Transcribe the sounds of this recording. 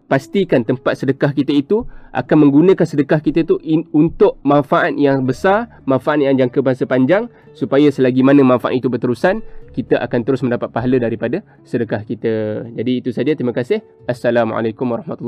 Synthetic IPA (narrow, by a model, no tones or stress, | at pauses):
past̪ikant̪əmpat̪̚sədəkahkit̪əit̪uʔa̰kanmə̃ŋɡunə̃kansədəkahkit̪ət̪uʔːnt̪ʊʔmãnfaʔat̪̚jaŋbəsar | mãnfaʔat̪̚jaŋd͡ʒaŋkəbəɦasapaɲd͡ʒaŋ | supajasəlaɡimanə̃manfaʔa̰t̪it̪ubərt̪əɾusankit̪aʔa̰kant̪əɾʊsmə̃ndapat̪̚paɦalədaɾipada | sədəkahkit̪əd͡ʒadiːt̪usad͡ʒat̪ɾimə̃kasɪh | ʔasːalamʕa̰lakʊmwaɾɑhmat̪ulː